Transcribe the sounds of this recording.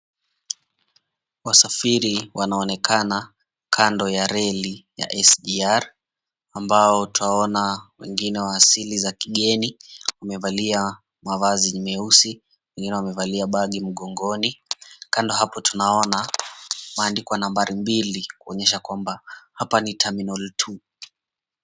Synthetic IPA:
wasafiɾiwanaɔnɛkʰana | kʰandɔjaɾɛlija̰ʔɛsɗiaɾ | ambaɔtaɔnawɛŋɡinɛwaːsilizakiɠɛniwamɛvalia | mavaziɲumɛusi | wɛŋɡinɛwamɛvaliaɓaɠim̩ɠɔŋɡɔnikandɔɦapɔtunaɔna | maːndikɔwanambaɾimbilikuɔɲɛʃakwambahapanitʰaminɔltʰu

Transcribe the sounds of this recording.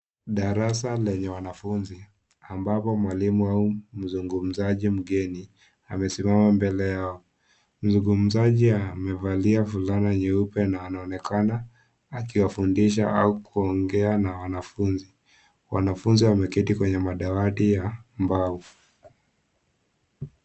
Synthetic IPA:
ɗaɾasalɛɲɛwanafunzi | ambapɔmwalimuaum̩zuŋɡum̩zaʄim̩ɠɛni | amɛsimamambɛlɛjaɔ | m̩zuŋɡum̩zaʄiamɛvaliafulanaɲɛupɛnaːnaɔnɛkʰanaː | kiwafundiʃ̬aʔaukuɔŋɡɛanawanafunzi | wa̰nafunziwamɛkitikwɛɲɛmaɗawatijambavu

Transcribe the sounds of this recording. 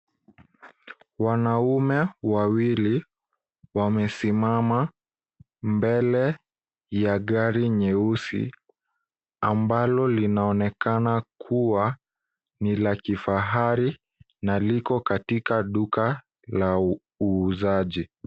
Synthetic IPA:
wanaumɛwawili | wamɛsimama | mbɛlɛ | jaɠaɾiɲɛusḭ | ambalɔlinaɔnɛkanakʰuwa | nilakifaɦaɾi | nalikɔkatikaɗuka | la | uːzaʄi

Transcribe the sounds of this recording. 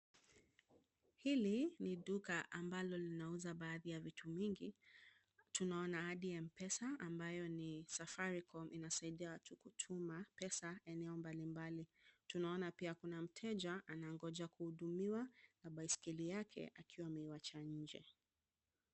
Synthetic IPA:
hiliniɗukaʔambalɔlinauzaɓaːðijavitʰuviŋɡi | tunaɔnaaɗiɛmpɛsaambajɔnisafaɾikʰɔmʔinasaiɗiatukutʰumapɛsaɛnɛɔmbalimbalitunaɔnapiakunam̩tʰɛd͡ʒaʔanaŋɡɔd͡ʒakuhuɗumiwanaɓaiskilijakʰɛ̰ʔakʰiwamɛiwat͡ʃaɲ̩d͡ʒɛ̰

